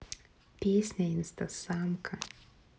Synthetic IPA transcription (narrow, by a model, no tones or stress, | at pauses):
pʲeːsʲnʲɛɪnst̪ɐsaːmkʰɐ